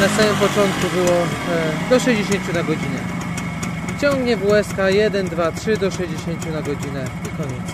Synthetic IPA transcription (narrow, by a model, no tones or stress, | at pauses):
nasamɘmpɔt͡ʂɔnt̪̚kubɘwɔd̪ɔʂɛʑd͡ʑeɕeɲt͡ɕunaɡɔd͡ʑinɛ̰ | t͡ɕɔŋɡɲɛvwɛskajɛd̪ɛnd̪vatʂɘd̪ɔʂɛʑd͡ʑeɕeɲt͡ɕunaɡɔd͡ʑinɛɲɛkɔɲɛtɛ̥